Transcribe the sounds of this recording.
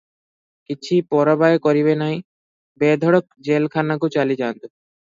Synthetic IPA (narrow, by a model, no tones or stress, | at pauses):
kit͡ɕʰipɔɾabaekoɾiβenaj | bed̪ʱɔɽok̚d͡ʑelkʰanːak̬ot͡ɕalid͡ʑant̪o